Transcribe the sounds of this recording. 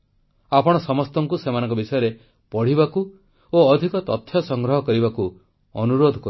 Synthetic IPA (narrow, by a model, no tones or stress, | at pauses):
apɔɽ̃ɔsɔmɔst̪ɔŋkusemanɔ̃ŋkɔbisɔjɔɾe | pɔɽ̤ibaku | oːd̪ʱikɔt̪ɔt̪ʰːjɔsɔŋɡɾɔɦɔkɔɾibaku | ɔnuɾod̪ʱɔkɔ